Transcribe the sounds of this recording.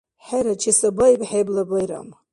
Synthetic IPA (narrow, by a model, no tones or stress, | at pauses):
ħaɾat͡ʃʰisabajbħeblabajɾa̰m